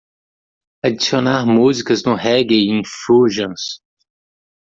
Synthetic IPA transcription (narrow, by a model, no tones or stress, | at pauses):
ad͡ʒisionaɾmuzikɐznõɦɛɡejĩfuʒɐ̃s